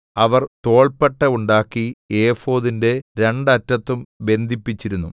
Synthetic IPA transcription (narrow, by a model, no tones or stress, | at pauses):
ɐʋɐrt̪o̞ːɭpeʈːɐuɳɖaːkːieːfo̞ːðinde̞ɾe̞ɳɖɐtːɐt̪ːumbe̞nd̪ʱipːit͡ɕːiɾunːu